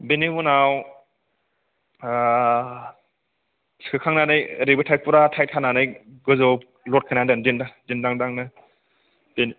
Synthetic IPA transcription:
benimunaw | skʰɯkʰaŋnanɯjɾibɯtʰajk̚puɾatʰajt̚kʰananɯjɡɯzɔ | lɔt̚kʰɯnandandindadindaŋdaŋnɯ | b̥eni

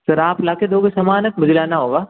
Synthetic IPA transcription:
sɐɾaːplaːked̪oːɡesɐmaːnət̪̚mʊd͡ʒlaːnaɦoːɡaː

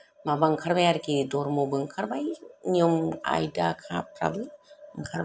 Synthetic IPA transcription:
mabaŋkʰaɾbajaɾkidoɾmobɯŋkʰaɾbajɲioma̰jdakʰap̚ɾa̰bɯŋ̩kʰaɾb

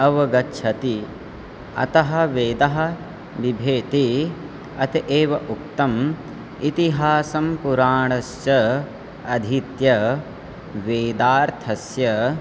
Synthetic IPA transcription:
ɐʋɐɡɐtːʃʰɐt̪i | ɐ̰t̪ɐɦɐ̆ʋeːd̪ɐɦɐ̆ | ʋibʱeːt̪i | ɐt̪iʔeːʋɐʔuk̚t̪ɐm | it̪iɦaːsɐmpuɾaːɳɐsjɐ | ɐd̪ʱit̪jɐ | ʋeːd̪aːɾt̪ʰɐsjɐ

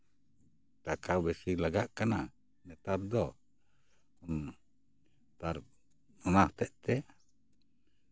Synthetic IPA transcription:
t̪akawbɛsilaɡaʔkana | nɛt̪aɾ̚d̪ɔ | ɔn | t̪aɾ | ɔnaht̪ɛʔt̪ɛʔ

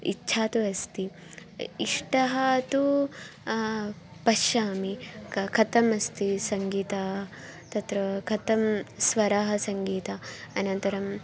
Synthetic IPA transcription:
ḭtːʃʰaːt̪uɐst̪i | iʂʈɐɦɐt̪u | pɐʃjaːmikʰɐt̪ɐmɐst̪isɐŋɡiːt̪aː | t̪ɐt̪ɾɐkʰɐt̪ɐmsʋɐɾaːɦɐsɐŋɡiːt̪ɐɐnɐnt̪ɐɾɐm

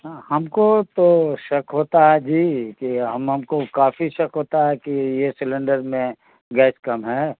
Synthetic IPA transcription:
hɐmkot̪oʃɐkɦoːt̪aɦɛd͡ʒiːkiɦɐmɦɐmkokaːfiʃɐkɦoːt̪aɦɛkijesɪlə̃ɳɖəɾmẽ | ɡɛːskɐmɦɛː

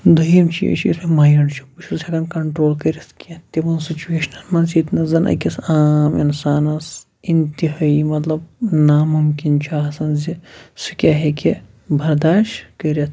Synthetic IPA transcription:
d̪ɐjimt͡ʃʰḭɐ̰t͡ʃʰḭɾemajɐɳt͡ʃʰi̥put͡ʃʰuzʲɐkɐnkɐɳʈɾoːlkɐɾɐt̪ʰkʲet̪ebɐnsit͡ʃueːʃnɐlmɐnziːt̪nɐzɐnʔɐ̰kʲɐsaːmḭnsaːnɐs | int̪iɦaːimɐt̪lɐbnamumkint͡ʃʰaːɦɐsɐnzisɨkʲaːɦekʲe | bʱɐɾd̪aːʃʈkɐɾʲɐt̪ʰ

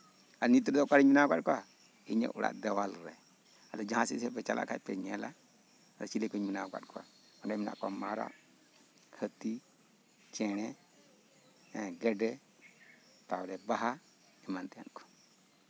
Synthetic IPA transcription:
anitiɾdokaɾiminaɡʷad̚ka | iɲḛʔṵɾa̰dewalɾɛ | a̰lad͡ʒãasisepet͡ʃala̰kapḛɲela | aɾat͡ʃilekeminaɡʷa̰dka̰ | ɔndamina̰ko̰maɾa̰ | hati | t͡ʃɛnɛ | ɡedɛ | tauɾɛbaɦa | imantia̰nko̥

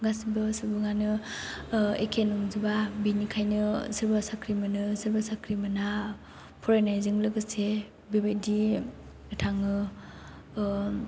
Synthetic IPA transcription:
ɡasibɯsɯɾbɯŋanɯ | ekʰenɔŋzubabinikʰajnɯsɯɾbasakʰɾimɯnɯsɯɾbasakʰɾimɯna | pʰuɾajnajzɯŋlɯɡɯse | bebedi | ɯtʰaŋɯ

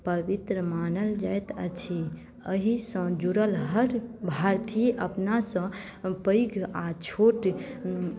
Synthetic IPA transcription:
pəbit̪ɾəmanəld͡ʒajt̪ət͡ʃʰi | əɦisə̃d͡ʒuɾəlɦəɾbʱaɾt̪ʰiəpnasə̃ | pəjɡʱat͡ʃʰoʈ

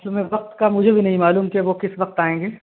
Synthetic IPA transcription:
ɐt̪lmɛ̃ʋɐq̚t̪kamʊd͡ʒʱebʱinɐɦĩmaːluːmkeʋokɪsʋɐq̚t̪aːẽːŋɡeː

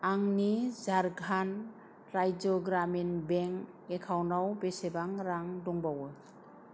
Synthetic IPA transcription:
aŋnizaɾɡʱan | ɾajd͡ʒɔɡɾaminbɛŋ | ekʰawnawbesebaŋɾaŋdɔŋbawɯ

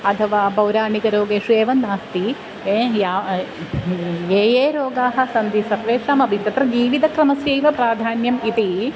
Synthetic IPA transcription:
ɐt̪ʰɐʋaːbɐwɾaːnikɐɾoːɡeːʂeːʋɐnaːst̪i | ejaː | eːjeːɾoːɡaːɦɐ̆sɐnd̪isɐɾʋeːʂaːmɐbʱit̪t̪ɐt̪ɾɐd͡ʒiːʋid̪ʱɐkɾɐmɐsjeːʋɐpɾaːd̪ʱaːnjɐmit̪i

